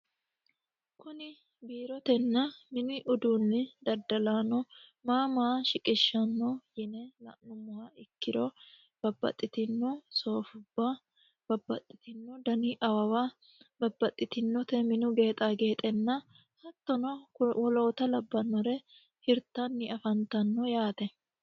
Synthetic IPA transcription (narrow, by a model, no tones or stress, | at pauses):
kʊnɪ | biːɾɔt̪ɛnːɐmɪnɪʔʊd̪uːnːɪd̪ɐd̪ɐlaːnɔmaːmaʃɪkʼɪʃːɐnːɔjɛnɛlɐ̰ʔnʊmːʊhaɪkːɪɾɔ | b̥ɐbːɐ̰t̪ʼːɪt̪ɪnːɔso̞ːfʊbːa | b̥ɐbːɐ̰t̪ʼːɪ̥t̪ɪnːɔd̪ɐniʔɐwɐwaː | bɐbːɐt̪ʼːɪt̪ɪnːɔt̪ɛmɪnʊɡe̞ːt̪ʼaːɡe̞ːt̪ʼɛnːɐ | hɐt̪ːɔnɔwɔlo̞ːt̪ɐlɐbːɐnːɔɾɛ | hɪɾt̪ːɐnːɪɐfɐnt̪ɐnːɔjaːt̪ɛ